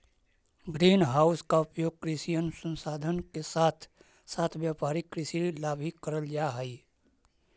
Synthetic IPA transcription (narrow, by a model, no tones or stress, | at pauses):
bɾeːnɦaːʊskaʊpjoːɡ̚kɾɪsijənʊsə̃nsaːd̪ʱənkesaːt̪ʰ | saːt̪ʰʋjaːpaːɾikɾɪsilaːbʱikəɾəld͡ʒaɦɛi